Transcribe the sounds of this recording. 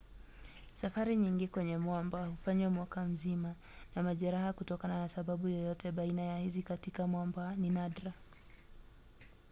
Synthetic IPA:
safaɾiɲiŋɡikwɛɲɛmwambahufaɲwamwakam̩zima | namaʄɛɾahakutɔkananasaɓaɓujɔjɔtɛɓainajahizikatikamwambaninadɾa

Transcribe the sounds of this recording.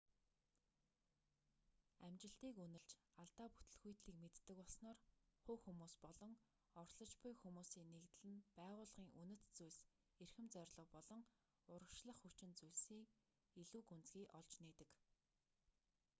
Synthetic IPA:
æmt͡ɕɪ̆ɬt̪iːkunɘ̆ɮt͡ɕaɮt̪aːpu̥t̪ɵ̆ɮxujt̪ɮiːkmet̪ːɘ̆kɔɮsnɔːrχʊːxumuːspɔɮɞ̆ŋ | ɔrɮɞ̆t͡ɕpʊjxumuːsiːnekt̪̆ɮɘ̆npæːʁʊːɮʁ̥iːŋʔunɵ̆t̪t͡sujɮs | erxɘ̆mt͡sœrʲɮɞ̆χpɔɮɞ̆ŋ | ʊɾə̆kʃɮə̆χxut͡ɕɪ̆nt͡sujɮsiːk | iɮuːkunt͡sɡiːʔɔɮt͡ɕneːt̪ɘ̆k

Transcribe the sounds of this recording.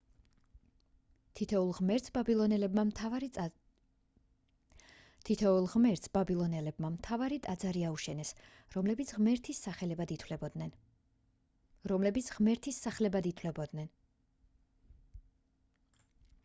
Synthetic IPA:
t̪ʰt̪ʰɛulˠmɛɾt̪sbabilˠɔnɛlɛbma | t̪ʰit̪ʰɛulˠʁmɛɾt̪sbabilˠɔnɛlɛbmamt̪ʰavaɾit̪ʼad̪zaɾiauʃɛnɛs | ɾɔmlɛbit̪sʰʁmɛɾt̪ʰisːaχɛlɛbad̪it̪ʰwlɛbɔd̪nɛn | ɾɔmlɛbit̪sʰʁmɛɾt̪ʰisːaχlɛbad̪it̪ʰlɛbd̪nɛn

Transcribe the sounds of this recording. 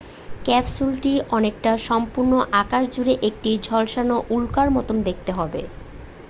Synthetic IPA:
kɛpsulʈiɔnek̚ʈaʃɔmpuɾnoʔakaʃd͡ʑuɾeʔek̚ʈid͡ʑʱɔlʃanoʔulkaɾmɔt̪omd̪ek̚ʰt̪eɦɔbe

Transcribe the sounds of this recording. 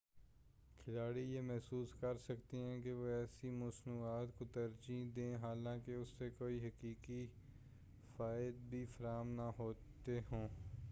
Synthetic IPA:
kʰɪlaːɽijeːmɛɦsuːskəɾsəkt̪iɦɛ̃ːkeʋoɛːsimʊsnuːaːt̪kot̪əɾd͡ʒĩːd̪ẽːɦaːlãːkeʊsːekoːiɦəkiːki | faːɪd̪̚bʱifəɾaːmnaɦoːt̪eɦõː

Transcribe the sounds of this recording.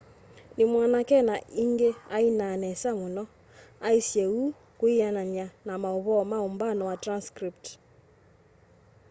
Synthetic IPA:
nimwanakɛnaiŋɡeainanɛsamunɔ | aisjɛu | kuianaɲanamauβɔmaumbanɔwatɾanskɾip̚t

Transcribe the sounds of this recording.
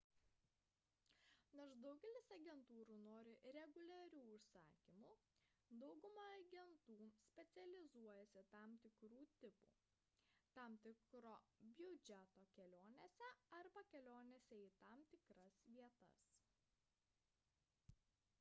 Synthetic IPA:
noɾʃd̪ɐʊɡʲɛlʲɪsɐɡʲɛnt̪uːɾuːnoːɾʲɪɾʲɛɡʊlʲæɾʲuːʊʃsɑːkʲimuː | d̪ɒʊɡʊmɑːɡʲɛnt̪uːsʲpʲɛt̪sʲɛlʲɪzuɔjɛsʲɪt̪ɑːmt̪ʲɪkɾuːt̪ʲɪpṵː | t̪ɑmt̪ʲɪkɾoːbʲjʊd͡ʒʲɛt̪oːkʲɛlʲoːnʲesʲɛɐɾbɐkʲɛlʲoːnʲɛsʲɛiːt̪ɑmt̪ʲɪkɾɐsʋʲiɛt̪ɐ̰s

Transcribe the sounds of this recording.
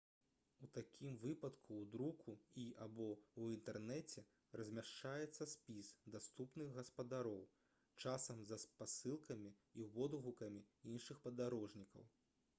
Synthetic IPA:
ut̪akʲʰimvɨpɐt̪kʰuwd̪ɾukʰuiʔabɔwint̪ɛrnɛt͡sʲɛ | rɐzʲmʲaʂt͡ʂajɛt̪sːɐsʲpʲisd̪ast̪upnɨɣɣɐspɐd̪aɾɔw | t͡ʂasɐmzɐspasɨlˠkɐmʲi | ivɔd̪ɣukɐmʲiinʂɨxpɐd̪aɾɔʐnʲikɐ̰w

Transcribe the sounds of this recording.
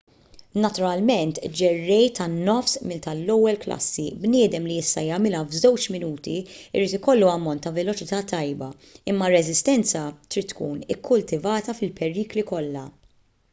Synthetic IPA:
nɐt̪ʊɾɐlmɛnt̪d͡ʒɛrːɛjt̪ɐnːɔfsmɪt̪ɐlːɔwːɛlklɐ̰sːibnɪːd̪ɛmliɪst̪ɐjɐmɪlɐvzɔwt͡ʃmɪnuːt̪iɪ̰ɾiːt̪ɪkɔlːuɐmːɔnt̪ːɐvɛlɔt͡ʃɪt̪ɐːt̪ɐjbɐ | ɪmːɐɾːɛzɪst̪ɛnt͡sɐt̪ɾiːt̪ːkuːnɪkʰːʊlt̪ɪvɐːt̪ɐfɪlpɛɾiːklikɔlːɐ̰

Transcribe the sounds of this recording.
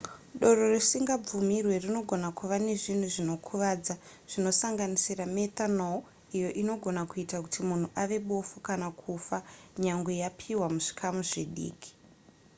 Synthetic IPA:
ɗo̞roresiŋɡab͡vumirwe̞rino̞ɡʱo̞nakʰuʋane̞ʐin̤uʐino̞kʰuʋaːd͡za | ʐ̥ino̞saŋɡanisirametano | ijo̞ʔino̞ɡʱo̞nakuitakutimun̤uʔaʋe̞ɓo̞fukanakʰufaɲaŋɡwejapʰiwamuʐi̥kʰamuʐiɗḭːkʰi̥

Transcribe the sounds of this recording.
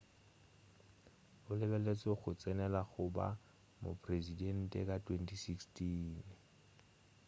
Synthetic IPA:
ʊlɪbɛlet͡sʼɔɣʊt͡sʼɛnɛlaɣʊba̰ | mʊ̰pʼrezidɛn̩tʼɛ̰kʼatʰwentʰʼisikstʰiːn

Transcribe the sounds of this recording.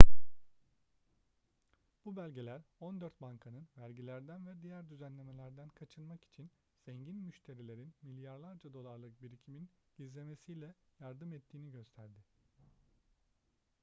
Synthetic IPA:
b̥ubælʲɟe̞lʲæɾo̞nd̪øɾt̪̚baŋkʰanɯnvæɾɟilʲæɾd̪ænvɛd̪ijæɾd̪yzænlʲe̞me̞lʲæɾd̪ænkʰat͡ʃʰɯnmaki̥t͡ʃʰin | z̥ɛɲɟinmyʃt̪ʰe̞ɾilʲe̞ɾinmilʲjaɾlˠaɾd͡ʒad̪o̞lˠaɾlˠɯk̚biɾicʰiminɟ̥izlʲe̞mesijlʲɛjaɾd̪ɯmɛt̪ʰːiːniɟø̞st̪ʰæɾd̪ɪ

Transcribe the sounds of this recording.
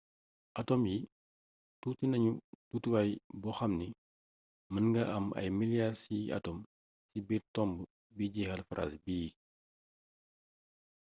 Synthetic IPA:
ʔɐtɔmji | tutinɐɲututuwɐjbɔxɐmni | mɐnŋɡɐʔɐmʔɐ̰jmiljasiɐ̰tɔm | sibiːɾtɔmbə | biɟixɐlfɾʔa̰sbiji

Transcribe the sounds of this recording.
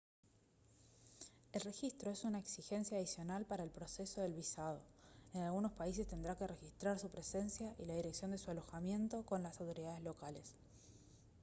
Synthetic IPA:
e̞lre̞xist̪ɾo̞esunaeksixe̞nsjaːðisjo̞nalpaɾaelpɾo̞seso̞ðe̞lβisað̞o̞enalɣuno̞spais̬e̞st̪e̞nd̪ɾake̞re̞xist̪ɾaɾsupɾe̞se̞nsjaʔilað̞iɾe̞ksjo̞nd̪e̞sualo̞xamje̞nt̪o̞ko̞nlasawt̪o̞ɾiðaðe̞zlo̞kale̞s

